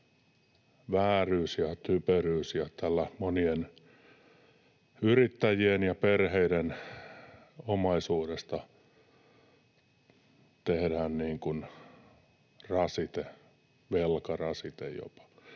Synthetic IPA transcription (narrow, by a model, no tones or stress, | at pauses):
ʋæːryːsjɑt̪ypøryːsjɑt̪ælːæmonien | yrit̪ːæjienjɑperheiden | omɑisuːdest̪ɑ | t̪ehdæːnniːŋkun | rɑsit̪e | ʋelkɑrɑsit̪ḛjjo̰pɑ̥